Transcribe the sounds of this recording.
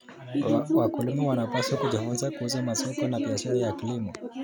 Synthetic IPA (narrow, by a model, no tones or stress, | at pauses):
wakulumɛwanapaswakud͡ʒifunzakuuzamasɔkɔnabiaʃaɾajakilimɔ